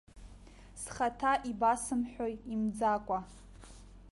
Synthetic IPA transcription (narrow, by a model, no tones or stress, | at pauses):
sχatʰaʔibasɨmħʷᶣojimd͡zakʷʼa